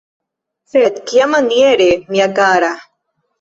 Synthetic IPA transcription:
fet̪kijamanieɾemiakaːɾa

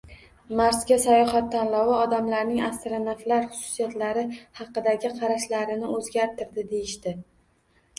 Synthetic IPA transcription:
maɾsɡʲasajɒhat̪ʰːanlɒwaɒd̪amlaɾnɪŋast̪ɾanaflaɾχʊ̥sʊ̥sijat̪laɾɪhɑqɨd̪aɡʲɪqʰɑɾaʃlaɾɪnɪɵzɡʲaɾt̪ʰɪɾd̪ɪd̪e̞jɪʃt̪ɪ

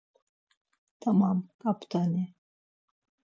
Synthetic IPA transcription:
t̪ʰamamkʼapt̪ʰani

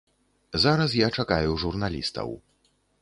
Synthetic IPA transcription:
zaɾɐs̬jat͡ʂakajuʐurnalʲḭst̪ɐ̰w

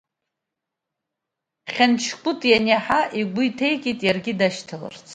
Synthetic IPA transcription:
χʲant͡ʃʰkʷʼʊtʼjanaħaʔiɡʷʊitʰejkʲʼitʼjarɡʲɪdaʃtʰala̰rt͡sʰʼ

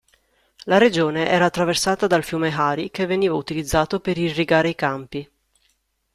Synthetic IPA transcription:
laɾed͡ʒoːneʔɛːɾaːt̪ːɾaversaːt̪ad̪alfjuːmeɦaːɾikevːeniːvaut̪ilid̪zːaːt̪opeɾirːiɡaːɾeikampi

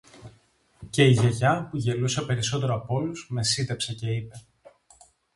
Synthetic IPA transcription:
ce̞iʝeʝɐpuʝe̞lusɐpe̞ɾiso̞t̪e̞ɾoɐpo̞luzme̞sit̪epsɐce̞ipe̞

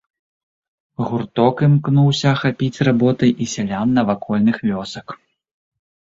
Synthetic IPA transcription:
ɣurt̪ɔkɨmknuwsʲɐxapʲit͡sʲrabɔt̪ɐjʔisʲalʲamnɐvakɔlʲnɨxvʲɔsɐk

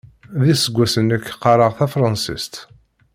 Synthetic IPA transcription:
ðisəɡʷːæsənəkːqɑɾˤəʁθæfɾˤɑnsist̪

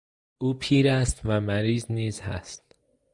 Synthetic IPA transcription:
ʔuːpʰiːɾæst̪væmæɾiːzniːzhæ̰st̪

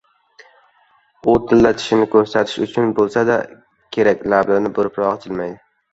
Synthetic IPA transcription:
ʊt̪ʰɪlːat̪ʰɪ̥ʃɪnɪkʰɵɾsat̪ʰɪ̥ʃʊt͡ʃʰʊnbolˠsad̪a̰ | kʲʰe̞ɾakʲlablanɪbʊɾɪpɾɒʁɪt͡ʃ̪ʰɪlmajd̪ɪ

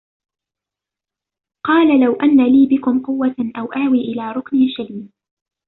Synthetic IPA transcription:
qɑːlalawʔanːaliːbɪkʊmqʊwːaʔawʔaːwiːʔɪlaːɾˤʊkniːʃaliːm

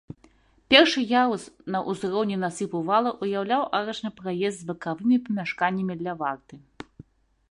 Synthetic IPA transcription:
pʲɛrʂɨjausnɐʔuzɾɔwnʲinasɨpuvalˠɐʔujawlʲawʔaɾɛt͡ʂnɨpɾajɛst̪zbɐkavɨmʲipɐmʲaʂkanʲːɐmʲid̪lʲɐvart̪ɨ

